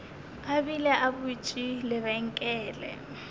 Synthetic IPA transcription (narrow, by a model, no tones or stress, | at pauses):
kabilɛʔabʊt͡ʃʼilɪβɛŋ̩kʼɛːlɛ̰